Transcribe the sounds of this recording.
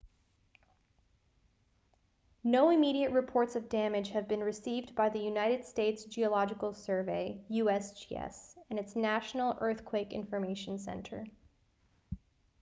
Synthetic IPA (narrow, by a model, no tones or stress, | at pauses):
noʊɨmiɾiɨʔ̚ɹɨpʰɔɹtsʌvdæmɨ̥d͡ʒ̥hɨvbɨ̃nɹɨsivbaɪðɨjʉnaɪɾɨd̥steɪtsʒ̥iɨlɑd͡ʒɨkl̩ˠsɜ˞veɪjʉɛsd͡ʒḭɛ̰sɨ̃nɨtsnæʃn̩l̩ˠɜ˞θkʰw̥eɪkɪ̰̃ɱfə˞meɪʃn̩sɛ̰̃ntʰə̰˞